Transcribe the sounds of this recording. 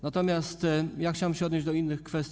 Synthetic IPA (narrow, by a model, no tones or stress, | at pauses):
nat̪ɔmʲjast̪jaxt͡ɕawɛmɕɛɔd̪ɲed͡ʑd̪ɔinːɘxkfɛst̪ʲ